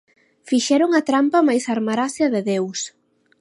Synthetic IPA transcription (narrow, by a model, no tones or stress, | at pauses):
fiʃɛɾʊŋɐt̪ɾampɐmajsaɾmaɾasjɐðɪðews